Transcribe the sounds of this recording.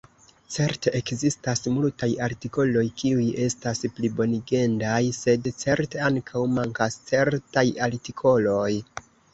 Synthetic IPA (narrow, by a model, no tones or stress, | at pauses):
t͡se̞ɾte̞ʔekzistasmultajaɾtiko̞lo̞jkiuje̞stasplibo̞niɡe̞ndajse̞dt͡se̞ɾte̞aŋkʰawmaŋkast͡se̞ɾtajaltikʰo̞lo̞j